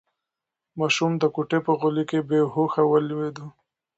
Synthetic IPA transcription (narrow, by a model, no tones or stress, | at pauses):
mɑʃumd̪əkuʈepəɣʊlikebehoxawəlwed̪u